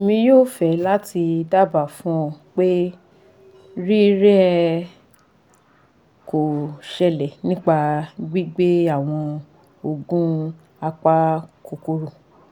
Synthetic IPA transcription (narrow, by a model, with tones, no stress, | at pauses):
mĩ˧joː˦˨fɛ˨˦la˦ti˧da˦ba˦˨fũ˦ɔ˨k͡pe˦ | ɾi˦ɾɛ˦ɛ˧ | ko˨ʃɛ˧lɛ˨nĩ˦k͡pa˧ɡ͡bi˦ɡ͡be˦a˦˨w̃ɔ̃˧ | o˧ɡũ˦ | a˧k͡pa˦ko˧ko˧ɾo˨